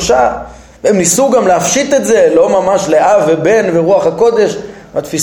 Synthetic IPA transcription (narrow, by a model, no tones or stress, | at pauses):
ʃa | veemnisuɡamleafʃit̪etze̞lo̞mamaʃleʔavːebe̞nveʁuaχhako̞d̪e̞ʃ | bat̪fi